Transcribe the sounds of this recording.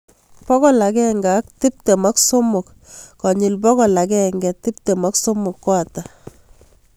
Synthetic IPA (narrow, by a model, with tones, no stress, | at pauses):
pɔ˦kɔ˨la˨kɛ˦ŋɡa˨˦k̚ti˦p̚te˨ma˦kso˦mʊ˨kː | ɔ˨ɲi˨lpɔ˦kɔ˨la˨kɛ˦ŋɡɛ˨ti˦p̚te˨ma˦kso˦mʊ˨kːwa˨ta˨